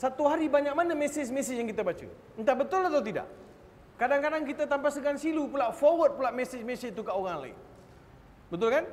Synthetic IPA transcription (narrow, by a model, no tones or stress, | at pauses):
sat̪uɦaɾibaɲak̚manamɛsɪd͡ʒmɛsɪjaŋkit̪abat͡ʃṵ | nt̪abət̪ʊlat̪awt̪ida̰ʔ | kadaŋkadaŋkit̪at̪ampasəkansilupulaʔfɔwət̪̚pulaʔmɛsɪd͡ʒmɛsiit̪ukəoɣaŋla̰ɪ̰n | bət̪ʊlkan